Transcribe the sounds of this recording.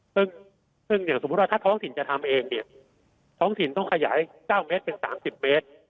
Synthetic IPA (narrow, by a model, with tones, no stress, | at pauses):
sɯ˥˩ŋ | sɯ˥˩ŋjaː˨˩ŋso˨˩˦t̪̚wa˥˩aː˥˩t̪ʰɔː˦˥ŋt̪ʰi˩˦nt͡ɕa˨˩t̪ʰa˧mʔeː˧ŋni˥˩ɐ | t̪ʰɔː˦˥ŋt̪ʰi˨˩˦nt̪ɔ˥˩ŋkʰa˧ja̰ː˩˦jkaː˥˩wmeː˦˥t̪̚pe˧nsa̰ː˩˦msi˨˩p̚me˦˥t̪̚